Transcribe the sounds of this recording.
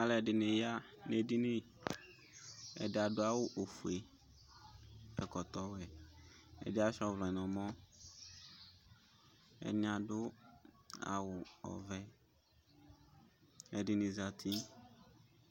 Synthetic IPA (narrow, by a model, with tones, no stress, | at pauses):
a˦lɛ˨ɖɪ˨nẽ˨ja˦ne˨di˦nĩ˦ | ɛ̰˨dɪ˨a˨ɖʊ˦a˦wʊ˦ʔo˨fu˨e˨ | ɛ˨kɔ˨t̪ɔ˦wɛ˨ | ɛ̰˨dɪ˦a˦ʃɔ˦vlɔ˨ɛ˨nɔ̃˨mɔ̃˦ | ɛ̰˨nĩ˦a˨ɖʊ˦ | a̰˨wʊ˨ɔ̰˨vɛ˦ | ɛ˨dɪ˦nĩ˨za˨t̪ʰi˦